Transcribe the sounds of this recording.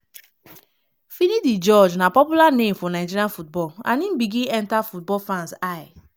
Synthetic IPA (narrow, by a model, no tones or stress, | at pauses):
finidid͡ʒɔd͡ʒnapɔpjulanemfɔnad͡ʒiianfut̚bɔlã̰nĩn̩biɡĩɛntafut̚bɔlfãnsaj